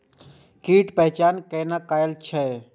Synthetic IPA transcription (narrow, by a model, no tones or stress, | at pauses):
kiːʈpɛɦt͡ʃaːnkeːnakaːjəlt͡ʃʰɛ